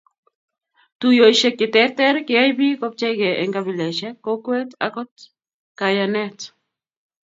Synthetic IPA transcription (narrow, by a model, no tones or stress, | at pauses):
tujojʃɛkːɪtɛtɛɾkɪajbikɔp̚t͡ʃɛjɡɛʔɛ̰ŋɡabilɛʃɛkːokwɛta̰kɔt | kajanɛt